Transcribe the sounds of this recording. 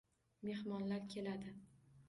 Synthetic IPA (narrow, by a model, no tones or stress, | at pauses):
me̞hmɒnlaɾkʲʰe̞lad̪ɪ